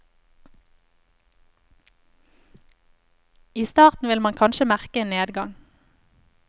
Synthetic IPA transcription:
iːst̪ɑːʁt̪n̩ʋɪlmɑŋkʰɑnʃəmæʁkəeːneːd̪ɡɑŋ

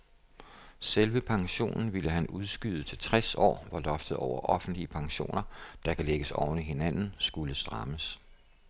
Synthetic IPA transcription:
selʋəpʰɑ̈ŋɕo̝̰ːnn̩ʋiləɦænuð̞ˠsɡ̥yð̞ˠt͡sʰe̝lt͡sʰʁasɒ̰ːʋɑ̈lɒ̽fd̥əð̞̩ˠɒʊɐʔɒ̽fn̩d̥liəpʰɑ̈ŋɕo̝̰ːnɐd̥ɑ̈kʰæleɡ̥əsɒʊniɦe̝næn̰n̩sɡ̥uləsd̥ʁɑ̈məs

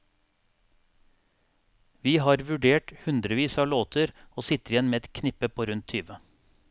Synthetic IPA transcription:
ʋiːhɑːɾʋʉɖeːʈhʉnd̪ɾəʋiːsɑːloːt̪ʰəɾoːsɪt̪əɾɪjɛnmeːɛt̪kʰnɪpəpʰoːɾʉnt̪ʰyːʋə

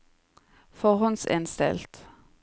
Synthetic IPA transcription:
fɔhɔnsɪ̰nst̪ɛ̰lt̪

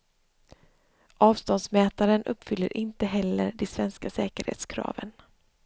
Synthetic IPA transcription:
ʔɑːvst̪ɔnsmɛːt̪aɾənʔɵpːfʏlːəɾʔɪnt̪əɦɛlːə̰ɾɖɛsvɛnskasɛːkəɾhḛːt̪skʰɾɑ̰ːvən

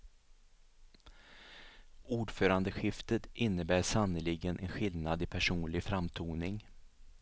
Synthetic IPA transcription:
uːɖfœːɾand̪əɧɪft̪ət̪ʔɪnːəbæːʂanəlɪɡənʔɛnɧɪlnad̪ɪpʰæʂuːnlɪɡfɾamt̪ʰuːnɪŋ

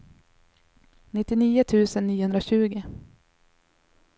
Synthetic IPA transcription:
nɪt̪ːɪniːʊt̪ʰʉ̟ːsənːiːɵnd̪ɾaɕʉ̟ːɡɪ

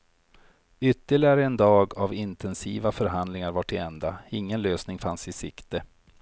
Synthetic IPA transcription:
ʏt̪ːəlɪaɾəɛnd̪ɑːɡavɪnt̪ʰɛnsiːvafœɾɦand̪lɪŋaɾvaʈːɪɛnd̪aɪŋːənløːsnɪŋfansɪsɪkt̪ə

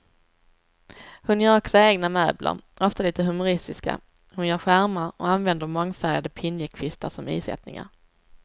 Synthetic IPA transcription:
hɵnjœːɾɔksɔeːɡnamøːblʔa̰ɾ | ɔft̪aliːt̪əɦɵmʊɾɪst̪ɪska̰ | hɵnjœːɾɧæɾmaɾɔ̰anvɛnd̪əɾmɔŋːfæɾjad̪əpʰɪnjəkʰvɪst̪aʂɔmḭːsɛ̰t̪nɪ̰ŋa̰ɾ

